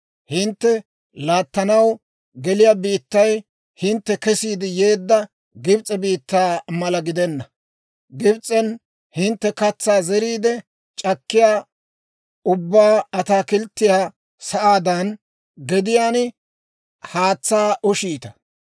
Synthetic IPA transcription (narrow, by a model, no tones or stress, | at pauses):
hɪnt̪ːɛ | laːt̪ːɐnɐw | ɡɛlɪjaːbiːt̪ːɐj | hɪnt̪ːɛkɛsiːd̪ɪje̞ːd̪ːɐ | ɡɪbt͡sʼɛbiːt̪ːaːmɐlɐɡɪd̪ɛnːɐ | ɡɪbt͡sʼːɛn | hɪnt̪ːɛkɐt͡sːaːzɛɾiːd̪ɛ | t͡ʃʼɐkːɪjaː | ʊbːaːɐt̪aːkɪlt̪ːɪjaː | sɐʔaːd̪ɐn | ɡɛd̪ɪjaːn | haːt͡sːaːʔʊʃiːt̪ɐ̥